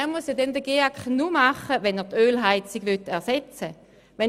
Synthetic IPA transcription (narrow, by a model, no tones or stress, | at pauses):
ɛːɐmusjadɛnd̪əɡeakχnumaχəvɛnɛːʁt̪øːlɦaɪt͡siɡ̥ʋøtːɛʁsɛt͡sə | ʋɛn